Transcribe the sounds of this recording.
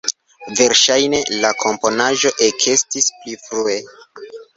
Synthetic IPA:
ve̞ɾʃajne̞lakʰo̞mpo̞naʒo̞ʔekʰe̞stisplifɾue̞

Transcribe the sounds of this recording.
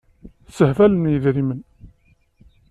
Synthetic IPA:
səhvælənjəðɾimən

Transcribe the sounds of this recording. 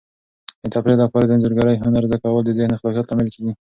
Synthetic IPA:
d̪ət̪apɾelapɑɾad̪ənzəɾɡɑɾəjɦʊnaɾzd̪akawəld̪əd̪enɪxlɑkjɑt̪lɑmɪlkeɡi

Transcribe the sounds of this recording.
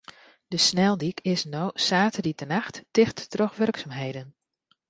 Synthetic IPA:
d̥əsnɛlˠdikʰɪsnowsaːtəditənaxttɪxttrɔxʋɵrksaːmɦejdən

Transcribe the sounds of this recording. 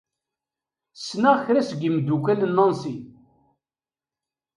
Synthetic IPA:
snaʁçɾæsɡimd̪ukælənːɑnsi

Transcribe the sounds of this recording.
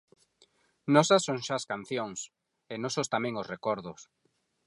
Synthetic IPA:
nɔsasːõŋʃaːskanθjoŋs | enɔsʊst̪amɛ̃ŋosrekɔɾðʊs

